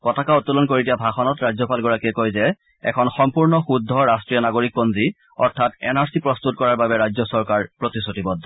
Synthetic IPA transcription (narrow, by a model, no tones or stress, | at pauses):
kɔtakaɔtːulɔnkoɹidiabʱaxɔnɔtɹazɔpalɡɔɹakiɛkojzɛ | ɛ̰kʰɔnxɔmpuɹnɔxudʱːɔɹastɹijɔnaɡoɹik̚bonzi | ɔɹtʰatɛnaɹsipɹɔst̪utkɔɹaɹbabɛɹazɔsɔɹkaɹpɹotisotibɔd